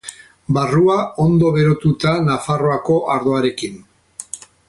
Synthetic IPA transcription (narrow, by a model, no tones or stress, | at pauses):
baruao̞nd̪o̞β̞e̞ɾo̞t̪ut̪anafaro̞ako̞ʔaɾðo̞aɾe̞kin